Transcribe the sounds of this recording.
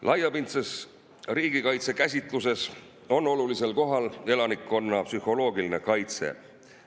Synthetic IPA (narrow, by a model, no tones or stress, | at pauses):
lʔɑjɑpint̪ses | riːɡ̥ikɑjt̪se̞kæsʲit̪ˑluse̞s | o̞nːo̞lulise̞lko̞ɦɑle̞lɑnikːˑo̞nːɑpsyho̞lo̞ːɡiline̞kɑjt̪se̞̰